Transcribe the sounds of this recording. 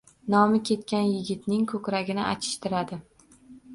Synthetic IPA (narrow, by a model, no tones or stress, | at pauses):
nɒmɪkʲʰe̞t̪̚kʲanjɪɡʲɪt̪nɪŋkʰɵkʲɾaɡʲɪnɪʔa̰t͡ʃ̪ʰɪ̥ʃt̪ɪɾad̪ɪ